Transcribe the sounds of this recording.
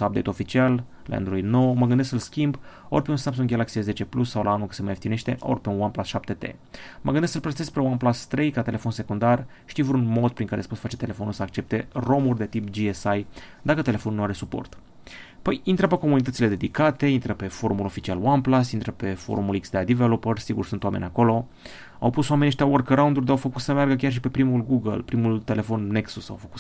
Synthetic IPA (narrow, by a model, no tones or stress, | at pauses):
sap̚bd̪ejt̪o̞fit͡ʃial | la̰ja̰d̪ulujno̞wməɡɨnd̪eskəlskʲimb | o̞̰rʲpeunsamps̬uŋɡʲalaksieze̞t͡ʃe̞plusːawlʔaanukə̥semajeft̪ine̞ʃt̪e̞ʔo̰rpe̞unwanplasʃap̚t̪e̞t̪ḛ | məɡɨnd̪esəlpɾəse̞spɾewanplast̪ɾe̞jkat̪e̞le̞fo̞nse̞kund̪ar | ʃt̪ijvɾunmo̞d̪̚pɾiŋkaɾḛspot̪fat͡ʃe̞t̪e̞le̞fonulsəak̚t͡ʃe̞p̚t̪e̞ro̞murʲd̪e̞t̪ipd͡ʒiesajd̪akət̪ele̞fonunuaɾe̞supo̰rt̪ | pəjint̪ɾəpeko̞munit̪ət̪sile̞d̪e̞d̪ikat̪e̞int̪ɾəpe̞fo̞̰ɾumulo̞fit͡ʃialwanplasint̪ɾəpe̞fo̞̰ɾumuliksd̪ead̪ivelopərsiɡursunt̪oamenʲako̞lo̞ | a̰wpusowamenʲːiʃt̪eaworkɾawund̪urʲd̪eawfəkut̪səmearɡəkʲarʃ̬ipe̞pɾimulɡuɡə̰lpɾimult̪e̞le̞fo̞nːe̞ksusa̰wfə̥kut̪